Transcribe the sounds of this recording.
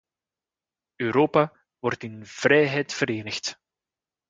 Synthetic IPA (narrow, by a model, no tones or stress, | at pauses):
øːɾoːpa | ʋɔrtɪnv̥rɛjɦɛjtfəɾeːnəxt